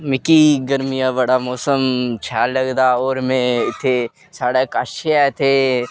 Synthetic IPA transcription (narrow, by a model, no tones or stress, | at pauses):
mɪkiɡəɾmijabəɽamɔːsəmt͡ʃʰaːləɡd̪aːoːɾmẽɪt̪ʰːe | saːɽekaʃeɛt̪ʰeː